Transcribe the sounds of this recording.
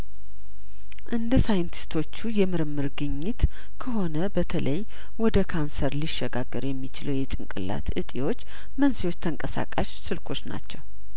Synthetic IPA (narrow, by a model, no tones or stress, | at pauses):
ʔɨnd̪əsajɨnt̪ʰi̥st̪ʰo̞t͡ʃːujɛmɨɾɨmːɨɾɡɨɲːɪt̪ | kʰəɦo̞nəbət̪ʰələj | wɔd̪əkʰansəɾliʃːɛɡaɡəɾjɛmːit͡ʃɪləwjɛt͡ʃʼɨŋkʼɨ̰lːa̰t̪ɨt̪ʼiwo̞t͡ʃː | mənsiwo̞t͡ʃːt̪ʰəŋkʼəsa̰kʼaʃsɨlkʰo̞t͡ʃːna̰t͡ʃːɛw